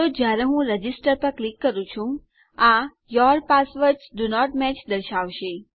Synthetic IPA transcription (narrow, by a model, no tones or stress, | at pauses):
od͡ʒjaɾeɦũɾəd͡ʒisʈəɾpəɾklikːəɾũt͡ʃʰũ | ã | jɔɾpasʋəɾʈsɖunɔʈmɛt͡ʃd̪əɾʃaʋʃe